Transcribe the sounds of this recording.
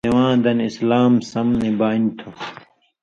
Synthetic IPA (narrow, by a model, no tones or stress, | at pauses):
ewãːd̪ɐnislaːmsɐmnebaːint̪ʰo